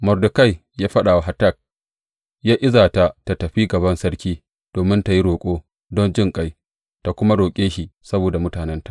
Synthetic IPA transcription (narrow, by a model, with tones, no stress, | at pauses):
mɔ˨rdʊ˨ka˦˨j | jaː˦ɸɐ˦ɗaː˨wa˨ɦa˨ta˦˨k̚ | jaː˦ʔɪ˦zaː˨ta˨ta˨tɐ˨ɸi˦ɡɐ˨βɐ˦nsɐ˦ɽkʲiː˦ | d̥oː˨mɪ˦nta˨ji˦ɽoː˨kʷʼoː˦ | dɔ˦nd͡ʒɪ˦ŋkʼa˦j | ta˨kʷʊ˦ma˦ɽoː˨kʲʼeː˦ʃi˨sɐ˦boː˨da˨mʊ˦taː˨nɛ˦ntḁ˨ʔ